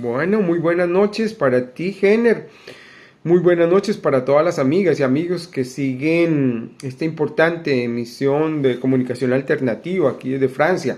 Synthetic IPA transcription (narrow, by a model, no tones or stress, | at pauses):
bwenomujβwe̞nazno̞t͡ʃespaɾat̪ixeneɾ | mujbwe̞nazno̞t͡ʃespaɾat̪o̞ðalasamiɣasiamiɣoskesiɣene̞st̪aimpo̞ɾt̪ant̪emisjo̞nd̪eko̞mũnikasjo̞nalt̪eɾnat̪iβaːkiðefɾansja